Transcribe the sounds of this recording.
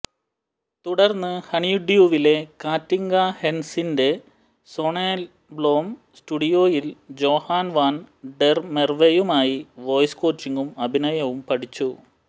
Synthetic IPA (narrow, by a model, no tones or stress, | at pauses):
t̪uɽɐrnːɨhɐɳijuɖjuːʋile̞kaːtːiŋɡaːhe̞nsinde̞ | so̞ːɳeːl | blo̞ːm | stuɽijo̞ːjild͡ʑo̞ːhaːnʋaːnɖermerʋejumaːjiʋo̞ːjsko̞ːt͡ɕːiŋɡumɐbʱinɐjɐʋumpɐʈit͡ɕːu